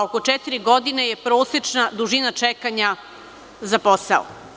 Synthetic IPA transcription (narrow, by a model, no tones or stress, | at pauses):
oko̞t͡ʃɛt̪iɾiɡo̞d̪ine̞je̞pɾo̞ːset͡ʃnad̪uʒinat͡ʃekaɲa | zaposao̰